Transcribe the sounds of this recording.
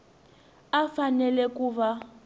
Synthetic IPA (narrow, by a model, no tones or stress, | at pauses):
afanɛlɛkuβa